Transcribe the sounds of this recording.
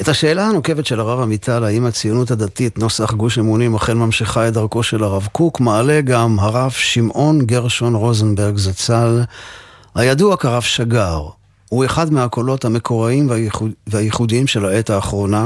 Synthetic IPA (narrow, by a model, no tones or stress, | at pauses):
ethaʃe̞ːlahanoke̞vetʃe̞laʁavamitʰalaimat͡sijonuthadatitnosaχɡuʃemunimaχenmamʃiχaedaʁko̞ʃe̞laʁavkukmaːle̞ɡamɦaʁavʃimʔo̞nɡeʁʃo̞nʁozenbeʁɡzat͡sal | hajaduakaʁavʃaɡaʁ | hue̞χadmeakʰo̞lo̞thame̞kʰo̞ʁaimvveajeχudiimʃe̞laetaːχʁo̞na